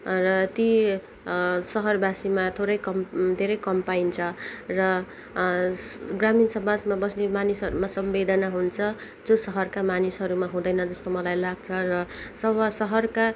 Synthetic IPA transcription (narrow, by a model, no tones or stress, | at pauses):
rʌt̪i | sʌɦʌrbasimat̪ʰoɾʌjkʌmd̪ʱeɾʌjkʌmpajnt͡sʰʌrʌ | ɡraminsʌbad͡zmabʌsnemanisɦʌɾumasʌmbed̪ʱʌnʌɦunt͡sʰʌ | d͡zosʌɦʌrkamanisɦʌɾumaɦũd̪ʌjnʌd͡zʌst̪omʌlajlaɡ̚t͡sʰʌrʌsʌbʌsʌɦʌrka